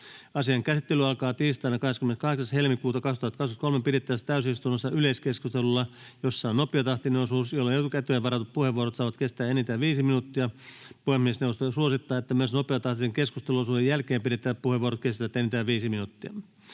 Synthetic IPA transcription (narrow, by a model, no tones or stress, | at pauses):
ɑsiɑŋkæsit̪ːelyɑlkɑːt̪iːst̪ɑːnːɑkɑheskymeneskɑheksɑshelmikuːt̪ɑkɑkst̪uhɑt̪kɑsu̥ɑt̪kolmepiɾet̪ːæst̪æysist̪unːosːɑyleiskeskust̪elulːɑ | josːɑonopˑiɑt̪ɑht̪inenosuːsjolːeet̪ukæt̪yeʋɑɾɑt̪ut̪̚puheʋʋuoɾot̪sɑːʋɑt̪kest̪æːenit̪æːʋiːsiminut̪ːiɑpuhemmiesnewʋost̪osuosit̪ːɑːet̪ːæmyøsnopeɑt̪ɑht̪ineŋkeskust̪eluosuːdejjælkeːmpidet̪ːˑæːppuheʋuoɾot̪̚kest̪æʋæt̪ːenit̪æːʋiːsiminut̪ːiɑ